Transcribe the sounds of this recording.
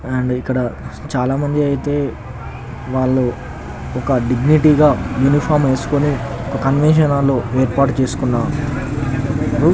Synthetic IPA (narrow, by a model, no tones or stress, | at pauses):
aːɳɖikːɐɽɐt͡ʃaːlaːmɐɲd͡ʒiɐjit̪e̞ː | ʋaːɭːoː | ɔkɐɖiɡniʈiːɡaːjuːnipʰaːɾme̞ːsu̥koniɔkɐkɐnʋenʃ̬ɐnaːlːo̞ːeːɾpaːʈut͡ʃe̞ːsu̥kunːaː | ɾu